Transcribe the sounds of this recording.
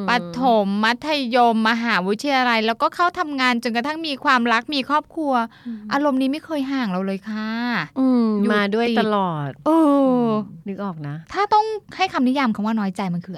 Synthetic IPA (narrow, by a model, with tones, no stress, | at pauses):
pa˧t̪ʰo˩˦mːa˦˥t̪ʰːa˧jo˧mːa˧ɦaː˩˦wi˦˥t̪ʰːi˧ja˧la˧jlɛː˦˥wkɔː˥˩kʰa˥˩wt̪ʰa˧mŋaː˧nt͡ɕo˧nka˧t̪ʰa˥˩ŋmiː˧kʰwaː˧mɾa˦˥k̚miː˧kʰɔː˥˩p̚kʰɾu˧ɐʔaː˧ɾo˧mniː˦˥ma˥˩jkʰɤː˧jɦaː˨˩ŋɾa˧wlɤː˧jkʰa˥˩ʔɯː˧˩jumaː˨˧du˥˩əjiː˧a˧lɔː˨˩t̪̚ʔɤː˧ | nɯ˦˥k̚ʔɔː˨˩k̚na˦˥t̪ʰaː˥˩t̪ɔ˥˩ŋha˥˩jkʰa˧mni˦˥jaː˧mkʰaː˨˩˦ŋwaː˥˩nɔː˦˥jt͡ɕa˧jma˧nkʰɯː˧